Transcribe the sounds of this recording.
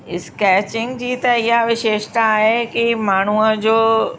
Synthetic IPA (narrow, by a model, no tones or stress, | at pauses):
ɪskɛːt͡ɕɪ̃ŋɡd͡ʑiːt̪ɐɪɦaʋɪʃeːʃt̪aːɦekimaːɳ̤uəd͡ʑoː